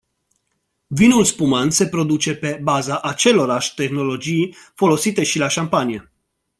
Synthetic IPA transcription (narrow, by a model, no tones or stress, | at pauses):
vinulspumanse̞pɾo̞d̪ut͡ʃe̞pe̞bazaʔat͡ʃe̞lo̞ɾaʃʲt̪e̞xno̞lo̞d͡ʒijfo̞lo̞sit̪e̞ʃilaʃampanije̞